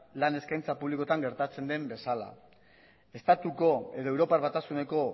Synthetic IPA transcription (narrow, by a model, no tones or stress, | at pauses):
lane̞skajnt͡sapuβliko̞t̪aŋɡe̞ɾt̪at͡se̞nd̪e̞mbe̞sala̰ | e̞st̪at̪uko̞e̞ðo̞e̞wɾo̞paɾβat̪asune̞ko̞